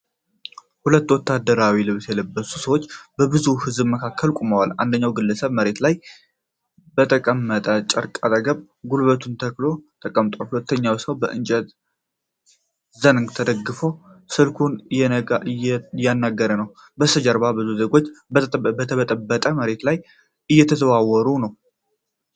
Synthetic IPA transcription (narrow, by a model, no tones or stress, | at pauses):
hulət̪ːwɔt̪ːad̪ːəɾawilɨβsjɛləbːəsusəwot͡ʃːbəbɨzuhɨzbməkʰakʰːəlkʼumowala̰nd̪əɲːawɡɨlːəsəβməɾe̞t̪laj | bət̪ʰəkʼəmːət̪ʼət͡ʃʼəɾkʼat̪ʼəɡəβ | ɡulβət̪ʰunt̪ʰəklo̞t̪ʼəkʼəmt̪ʼohulət̪ʰːəɲːawsəwbəʔɨnt͡ʃʼət̪ | zənŋɡt̪ʰəd̪əɡːɨfosɨlkʰunjɛɡajanːaɡːəɾənəw | bəsəd͡ʒəɾbabɨzuzeɡo̞t͡ʃːbət̪ʰəβət̪ʼəbːət̪ʼəməɾe̞t̪laj | ʔɨjːɛt̪ʰəzəβawːɔɾunəw